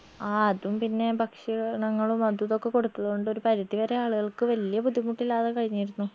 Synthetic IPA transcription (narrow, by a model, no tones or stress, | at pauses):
aːɐðumpinːe̞bɐkʂiɣɐɭnɐŋːɐɭumːɐd̪wɐðo̞kːe̞ko̞ɽut̪ːuɭːɐɣoɳɖo̞ɾupɐɾɐðiʋɐɾe̞aːɭuɣɐɭkɨʋɐlijɐpud̪imuʈːilːaːðekɐɻiɲːajiɾunːu